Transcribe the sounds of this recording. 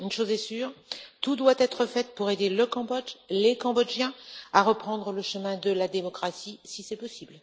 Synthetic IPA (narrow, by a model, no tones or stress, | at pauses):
ynʃozɛsyːʁt̪ud̪wat̪ɛt̪χəfɛt̪puʁed̪eləkɑ̃bɔʒlekɑ̃bɔd͡ʒjɛ̃aʁəpχɑ̃d̪ʁələʃəmɛ̃d̪əlad̪emɔkχasisisɛpɔsibl